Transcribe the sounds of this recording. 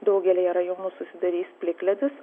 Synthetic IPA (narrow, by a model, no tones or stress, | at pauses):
d̪ɒʊɡʲɛlʲeːjɛɾɐjoːnuːsʊsʲɪd̪ɐɾʲiːspʲlʲɪklʲɛd̪ʲʊs